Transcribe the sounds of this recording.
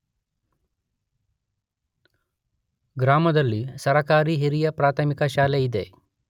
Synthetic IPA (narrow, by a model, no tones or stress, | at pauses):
ɡɾaːmɐd̪ɐlːisɐɾɐkaːɾiɦiɾijɐpɾaːt̪ʰɐmikɐʃaːleid̪e